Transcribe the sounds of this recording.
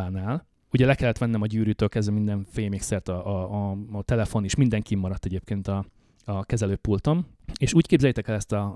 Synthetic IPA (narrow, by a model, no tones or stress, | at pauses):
aːnaːl | uɟɛlɛkɛlːɛt̪ʋɛnːɛmɒɟyːɾyːt̪øːlkɛzʋɛmind̪ɛɱfeːjmeksɛrt̪ɒʔ | t̪ɛlɛfo̞niʃmind̪ɛŋkimːɒɾɒt̪ːɛɟeːp̚keːnt̪ɒ | ɒkɛzɛløːpːult̪o̞meːʃuːckeːbzɛjɛt̪ɛkɛlɛst̪ɒ